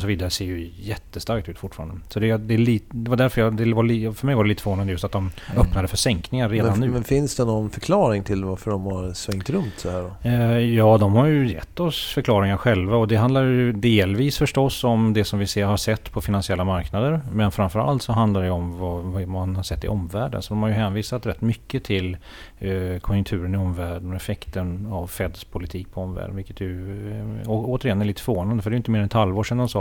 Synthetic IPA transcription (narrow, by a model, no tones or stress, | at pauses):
ɔsɔviːd̪aɾəseːɾjɵjɛt̪ːəst̪aɾk̚t̪ʉ̟ːt̪fʊʈːfɑ̰ːɾand̪əsɔd̪ɛd̪ɛːliːd̪ɛvaɖ̪æɾfœɾjɑd̪ɛvaifœmɛjvaɾɖɛliːt̪əfvoːnand̪əjɵst̪at̪d̪ɔmœpːnad̪əfœʂɛŋknɪŋaɾɾeːd̪anːʉːmɛnfɪnsd̪ɛnɔnfœɾkʰlɑːɾɪŋt̪ʰɪlvaɾfəɖɔmhaɾsvɛŋt̪ɾɵnt̪d̪ɛhæːɖɔjɑːd̪ɔmhaɾjɵjɛ̰t̪ːɔsfœɾkʰlɑːɾɪŋaɾɧɛlvaɔd̪ɛɦand̪aɾjjɵd̪eːlviːsfœʂʈɔsːɔmd̪ɛsɔmvɪseːɾhaʂɛt̪ːpʰɔfɪnansɪɛlːamaɾknad̪əɾmɛnfɾamfœɾa̰lt̪sɔɦand̪laɾɖɛjəɔmvɑvmanhaʂɛt̪ːɪ̰ʔɔmvæːɖə̰nsɔd̪ɔmhaɾjɵɦɛːnviːsat̪ɾɛt̪ːmʏkːət̪ʰɪl | kʰɔnjɵkt̪ʰʉ̟ːɾənɪɔmːvæːɖənɔɛfɛkt̪ənavfɛd̪spʰʊlɪt̪ʰiːk̚pʰɔɔmvæ̰ːɖənvɪlkːə̥t̪ʰjʉ | ɔoːt̪əɾɪɛnːɛɾɭiːt̪ə̥fœɾvoːnand̪əfœɖɛjʏɪnt̪əmeːɾɛnɛt̪halvoːʂɛnd̪ɔmsɑː